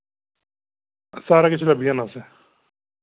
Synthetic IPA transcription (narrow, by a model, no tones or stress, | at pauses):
saːɾaːkɪt͡ʃʰlabʱijãnaːseː